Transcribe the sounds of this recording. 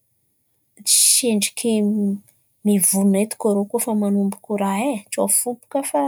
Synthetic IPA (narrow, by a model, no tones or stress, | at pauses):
t͡ʃi̥ʃeɳɖ͡ʐi̥kʰe | mivuunet̪u̥kaɾokufamanumbukuɾaɦet͡ʃofupu̥kafa